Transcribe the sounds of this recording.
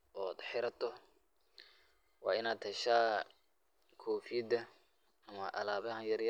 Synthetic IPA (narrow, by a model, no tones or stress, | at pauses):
ʔɔːd̪ħɪɾɐt̪ʰɔ | wɑ̰ːɪnaːd̪ɐʃaː | kʰɔːfid̪ɐ | ɐmɐʔɐlaːβɐhɐjɐrjɐ